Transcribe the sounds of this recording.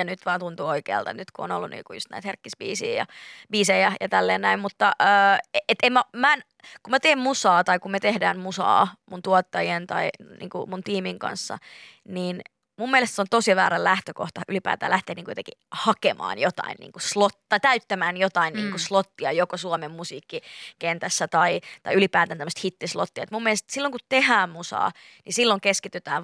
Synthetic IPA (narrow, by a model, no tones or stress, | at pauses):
jɑnyt̪ʋɑːnt̪unt̪uːoikḛːlt̪ɑ̰nyt̪kuo̰nolːunḭːŋkujust̪næ̰it̪herkːisbḭːsḭːjɑ̰biːsejæjɑt̪ælːeːnnæimmut̪ːɑʔəːet̪emmæmæn | kumæt̪eːmmusɑːt̪ɑikumet̪ehdæ̰ːnmusɑ̰ːmunt̪uot̪ːɑjient̪ɑinḭːŋkṵmunt̪iːmiŋkɑ̰nsːɑ̰ | niːn | mumːielest̪seont̪osiʋæːɾɑllæht̪øko̰ht̪ɑʔylipæ̰ːt̪æ̰ːlæht̪eːniŋkujot̪eŋkḭhɑkemʔɑ̰ːnjot̪ɑ̰innḭːŋkuslot̪t̪ɑit̪æyt̪ːæmæːnjot̪ɑinniːŋkuslot̪ːiɑjokosuomemmusiːkːikent̪æsːæt̪ɑit̪ɑiylipæːt̪ænt̪æmːøst̪hit̪ːislo̰t̪ːiɑet̪mumːielest̪silːoŋkutt̪ehæːmmusɑ̰ː | nisilːoŋkeskit̪yt̪æ̰ːn